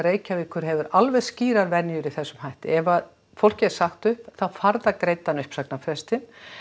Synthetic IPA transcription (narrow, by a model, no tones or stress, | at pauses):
reːjcavɪðkʰʏɾ̥ɦɛvʏɾalvɛðsciːɾaɾvɛnjʏɾiθɛsːʏmhajht̪ɪ̰ɛvað | fowl̥cɪɛɾ̥saxt̪ʏhpθawfaɾðakɾejt̪ːanʏhpsaknafɾɛst̪ɪn